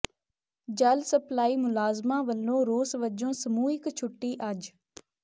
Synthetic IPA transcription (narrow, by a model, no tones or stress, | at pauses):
d͡ʒəlsəplaːiːmʊlaːzmãːʋəlːõːɾoːsʋəd͡ʒõːsəmuːɪkt͡ʃʰʊʈːiːʔəd͡ʒ